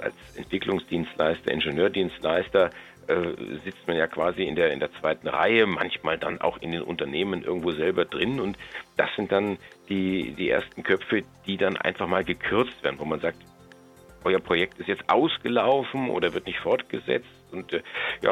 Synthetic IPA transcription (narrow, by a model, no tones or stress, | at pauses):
ʔa̰lsʔɛntv̥ɪklʊŋsd̥iːnstla̰ɪstɐ̰ʔɪ̰nʒənøːɐdiːnstlaɪstɐ | ʔɛːzɪt͡stmanjaːkv̥aːziɪndeːɐɪ̰ndeːɐt͡sv̥aɪtn̩ʁa̰ɪəma̰nçmaːlda̰na̰ʊxɪ̰ndeːnʔʊ̰ntɐneːmənʔɪɐɡŋ̩tv̥oːzɛlbɐdʁɪnʊntd̥asz̥ɪnt̚d̥and̥iːdiːʔḛːɐstn̩kʰœpp͡fəd̥iːdanʔa̰ɪnfaχmaːlɡəkʰʏɐt͡stv̥eːɐdn̩voːmanzaːk̚t | ʔɔʏɐpʁ̥ojɛk̚tɪstjɛt͡stʔaʊsɡ̥əlaʊfn̩ʔo̰ːɾɐvɪɐtnɪçtfɔɐtɡ̥əzɛ̰t͡stʊntːja̰ː